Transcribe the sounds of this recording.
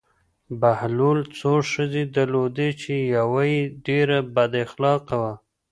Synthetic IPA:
bahlult͡soʂəzed̪aɾlod̪et͡ʃejawajeɖeɾabad̪axlɑqawa

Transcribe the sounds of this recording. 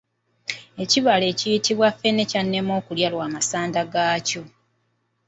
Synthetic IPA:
e̞ciβale̞ːcijitiβwafe̞ne̞canːe̞mo̞ːkuljalwaːmasaːndaɡaːco̞

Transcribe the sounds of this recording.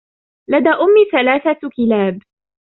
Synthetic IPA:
lad̪aːʔʊmːiːθalaːθakɪlaːb

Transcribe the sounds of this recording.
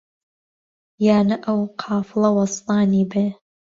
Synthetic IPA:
jaːnɐʔɐwqʰɑːflˠɐwɐst̪ɑːniːbeː

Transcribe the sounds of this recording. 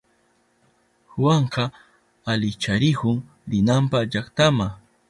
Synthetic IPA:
xwaɴqɑ | alɪt͡ʃaɾɪkʊŋ | ɾɪnampaʎakt̪ama

